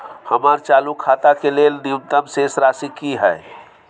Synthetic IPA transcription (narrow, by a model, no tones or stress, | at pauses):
həmaɾt͡ʃaːlukʰaːt̪akelelniut̪əmsesɾaːsikiɦɛe